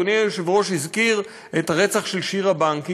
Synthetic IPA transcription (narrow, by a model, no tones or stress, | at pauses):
oneuʃevoʃizkiʁ | ethaʁet͡saχʃelʃiʁabaŋki